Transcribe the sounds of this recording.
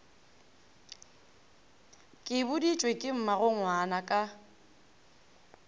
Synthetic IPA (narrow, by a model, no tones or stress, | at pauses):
kʼɪbʊdit͡ʃʼwekʼɪm̩maɣʊŋ̩wanakʼa